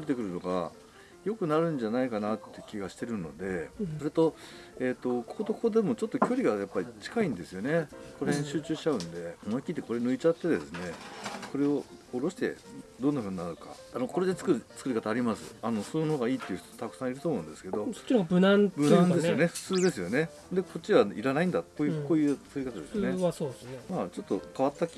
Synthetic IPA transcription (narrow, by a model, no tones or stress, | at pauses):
ɾet̪e̞kɯ̟ɾɯ̟no̞ɡa̰ | jo̞kɯ̟naɾɯ̟̃ɲd͡ʑanaikanat̪ːejɯ̟kʲiɡaɕi̥t̪e̞ɾɯ̟no̞̰d̪e̞so̞ɾe̞t̪o̞e̞ːt̪ːo̞kʰoːt̪okʰo̞ːd̪e̞mo̞t͡ɕot̪ːo̞kʲo̞ɾʲiɡajapːaɾʲit͡ɕi̥kaĩnd̪e̞sɨjo̞ne̞ko̞ɾẽɕɨːt͡ɕɨːɕi̥t͡ɕaɯ̟̃nd̪e̞onkʲit̪eko̞ɾenɯ̟it͡ɕat̪ːe̞d̪e̞sɨne̞kʰo̞ɾe̞o̞ːɾo̞ɕi̥t̪e̞̰d̪o̞nːaɸɯ̟ːɲ̟inaɾɯka̰ | ano̞ko̞ɾe̞d̪e̞t͡sɨ̥kɯɾɯt͡sɨ̥kɯ̟ɾikat̪aːɾʲimasɨ̰ano̞sonoɡaiːt̪ːeiɯ̟ç̥t̪o̥t̪akɯ̟̥sãɰ̃iɾɯt̪oːmoɯ̟̃nd̪e̞sɨ̥ke̞d̪o̞so̥t͡ɕːiɾaɡbɯnãnbɯnãnd̪esɨoneɸɯ̥t͡sɨːd̪e̞sɨjo̞nẽ̞ | d̪e̞ko̞t͡ɕːiβaiɾanaĩnd̪at̪ːejɯko̞ːjɯ̟t͡sɨ̥kɯ̟ɾikat̪ad̪e̞sɨjoneasosmaːt͡ɕo̞t̪ːo̞kaβat̪ːakʲ